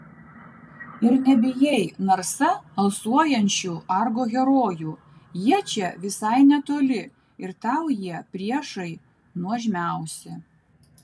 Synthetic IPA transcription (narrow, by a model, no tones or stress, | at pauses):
ɪɾnʲɛbʲɪjɛɪnɐɾsɐɐlˠsuɔjɛnʲt͡ʃʲuːʔɑɾɡoːɡʲɛɾoːjuː | jiɛt͡ʃʲɛʋʲɪsɐɪnʲɛt̪oːlʲɪ | ɪɾt̪ɑʊjiɛpʲɾʲiɛʃɐɪ | nuɔʒʲmʲæˑʊsʲɪ